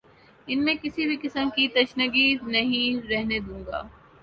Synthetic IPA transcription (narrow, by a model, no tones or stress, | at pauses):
ɪnmẽkɪsibʱikɪsəmkit̪ɐʃnəɡinɐɦĩɾɛɦned̪ũːŋɡa̰ː